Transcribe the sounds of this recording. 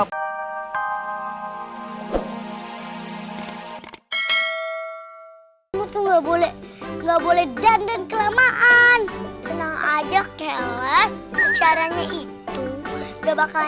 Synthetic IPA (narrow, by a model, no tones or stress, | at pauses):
mut̪uhŋɡabolɛŋɡabolɛhdandankəlamaʔansənaŋa̰d͡ʒakɛlɛst͡ʃaɾaɲaʔit̪ubabaka